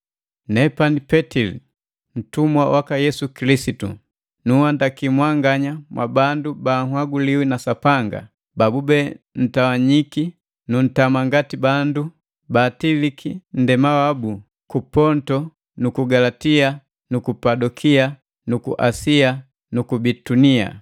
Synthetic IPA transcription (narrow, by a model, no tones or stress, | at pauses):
nɛpanipɛtilḭ | n̩tumwawʔakajɛsukilisitṵ | nuhandakimwaŋɡaɲamwʔa̰bandubaŋwaɡuliwinasapaŋɡa̰ | babubɛn̩tawaɲiki | nun̩tamaŋɡatibandu | batilikʰin̩dɛmawabu | kupɔntɔ | nukuɡalatia | nukupadɔkʰia | nukṵʔa̰sia | nukubitunia̰